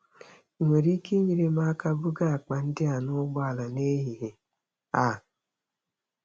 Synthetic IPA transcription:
ŋʷe˨ɾi˦ki˦ɲi˨ɾe˦ma˦ka˦bu˦ɡa˦a˨k͡pa˨n̩˦dɪ˦a˨nʊ˦ɡ͡ba˦a˨la˨ne˦ɦi˨ɦi˨ | a˨

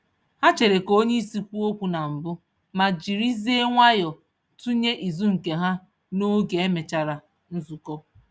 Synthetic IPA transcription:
ha˦t͡ʃe˨ɾe˨ko˦ɲe˦i˦si˦kʷu˦o˦kʷu˨na˨m̩˨bʊ˦ | ma˨d͡ʒi˨ɾi˦ze˦ŋʷa˦jɔ˨ | tu˦ɲe˦ʔi˨zu˦ŋ̩˨ke˨ɦa˦ | no˦ɡe˨e˦me˨t͡ʃa˨ɾa˨ | n̩˦zu˨kɔ˦

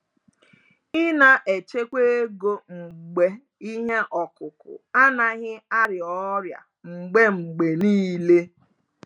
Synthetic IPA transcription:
ɪ˦na˨ʔe˨t͡ʃe˦kʷe˦ɡo˦ŋ͡m̩˨ɡ͡be˦ | i˦ɦe˦ʔɔ˨kʊ˨kʊ̰˨a˦na˨ɣɪ˦a˦ɾɪ˨ɔ˦ɾja̰˨ | ŋ͡m̩˨ɡ͡be˦ŋ͡m̩˨ɡ͡be˨niː˦le˦

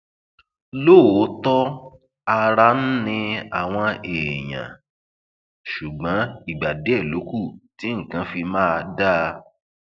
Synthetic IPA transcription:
lo˦˨o˨˦tɔ˦ | a˧ɾa˧˦n̩˦nĩ˧a˨w̃ɔ̃˧eː˨j̃ã̰˨ | ʃu˨ɡ͡bã˨˦i˦˨ɡ͡ba˨de˨˦ɛ˦˨lo˨˦ku˦˨ti˨˦ŋ̩˨kã˨˦fi˧mãː˦˧da˦˧

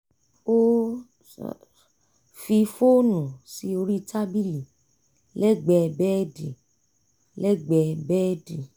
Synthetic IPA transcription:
o˦ | fi˧fo˦nũ˨si˨˦o˧ɾi˦ta˦bi˦li˨ | lɛ˦ɡ͡bɛ˧bɛ˦di˨ | lɛ˦ɡ͡bɛ˧bɛ˦di˨

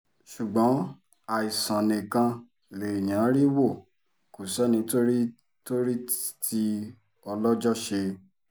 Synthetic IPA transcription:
ʃu˨ɡ͡bɔ̃˨˦ | a˨i˨sã˨nĩ˨kã˧ | le˨i˨j̃ã˨˦ɾi˦wo˦˨ | ko˨sɛ˦nĩ˧to˦ɾi˦ | to˦ɾi˦tʰi˧ | ɔ˧lɔ˦d͡ʒɔ˦ʃe˧

